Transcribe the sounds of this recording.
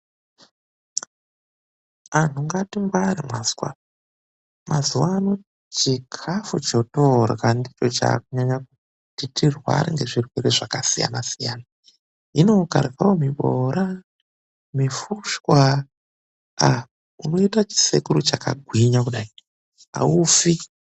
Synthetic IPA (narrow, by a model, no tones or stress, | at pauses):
an̤uŋɡatiŋɡwaɾimwazwa̰ | mazuwaːno̞ | t͡ʃikʰafut͡ʃotorɣandit͡ʃo̞t͡ʃa̰ːkuɲaɲaku | titirwa̰ɾiŋɡe̞ʐirwereʐakasija̰nasijana | ino̞ka̰rkawomiɓoɾa | mifuʃkwa | a | uno̞itat͡ʃi̥sekuɾut͡ʃaka̰ɡʱwiɲak̬uɗai | a̰ufi